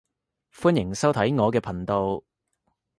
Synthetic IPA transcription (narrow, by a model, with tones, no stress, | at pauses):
fuː˥njɪ˨˩ŋsɐ˥wt̪ʰɐ˨˥jŋɔː˨˧kɛː˧pʰɐ˨˩nt̪o˧w